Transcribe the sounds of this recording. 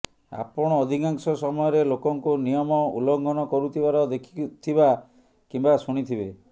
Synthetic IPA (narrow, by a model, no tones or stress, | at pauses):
a̰pɔɽ̃ɔːd̪ʱikaŋsɔsɔmɔjɔɾelokɔŋkunijɔmɔṵlɔŋɡʱɔnɔkɔɾut̪ʰibaɾɔd̪ekʰi̥t̪ʰiba | kimbasuɽ̃it̪ʰibe